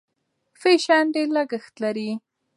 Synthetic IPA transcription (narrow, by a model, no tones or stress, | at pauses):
feʃaɳɖeləɡəxt̪laɾi